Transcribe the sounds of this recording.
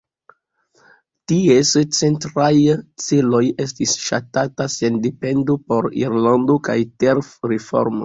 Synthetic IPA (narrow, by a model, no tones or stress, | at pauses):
tiest͡sentɾajt͡selo̞je̞s̬tisʃa̰tatase̞ndepe̞ndopo̞ɾḭɾlando̞kajteɾfɾefo̞̰ɾmo̰